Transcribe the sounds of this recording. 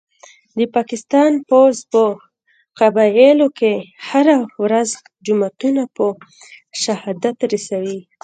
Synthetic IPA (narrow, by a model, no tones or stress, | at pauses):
d̪əpɑkɪst̪ɑnpozpə | qabɑelokehaɾawɾaz | d͡ʒumat̪unapə | ʃahɑd̪at̪ɾasawi